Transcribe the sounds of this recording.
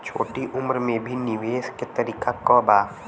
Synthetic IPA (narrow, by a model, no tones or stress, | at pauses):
t͡ʃʰo̰ːʈiʔʊmɾmẽbʱinɪʋeːsket̪ɐɾiːkakɔːbaːf